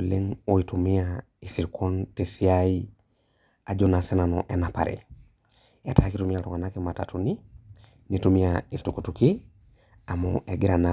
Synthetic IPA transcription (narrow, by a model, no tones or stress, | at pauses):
leŋoitumia | isiɾkʰontesiai | ad͡ʒonasenanoʔenapa̰ɾʔḛ | etakitumijaltuŋanakimata̰tuni | nitumiailtukutuki | amo̰ʔeɡiɾana